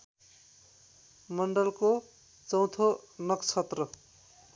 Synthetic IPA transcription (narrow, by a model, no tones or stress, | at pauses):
mʌɳɖʌlko | t͡sʌw̃t̪ʰonʌkt͡sʰʌt̪rʌ